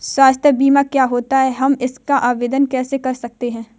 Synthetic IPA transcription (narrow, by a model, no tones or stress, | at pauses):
swaːst̪ʰjəbiːmakjaːɦoːt̪aɦɛɦɐmɪskaʔaːʋeːd̪ənkɛːsekɐɾsɐk̚t̪eɦɛ̃ː